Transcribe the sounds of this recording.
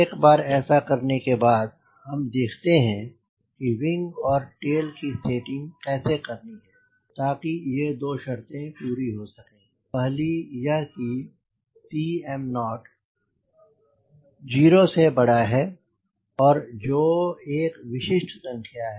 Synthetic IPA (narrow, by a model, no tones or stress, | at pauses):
eːkbaːɾɛːsakɐɾnekebaːd̪̚ | hɐmd̪eːkʰt̪eɦɛ̃ | kiʋɪ̃ŋɡɔːɾʈeːlkiseːʈɪ̃ŋkɛːsekɐɾniɦɛː | t̪aːkijed̪oːʃɐɾt̪ẽpuːɾiɦosɐkẽː | pɐɦlijɛsi | siːɛmnɔːʈ | d͡ʒiːɾosebɐɽ̤aɦɛː | ɔːɾd͡ʒoːeːkwɪʃɪʃʈʰsɐ̃ŋkʰɪjaɦɛ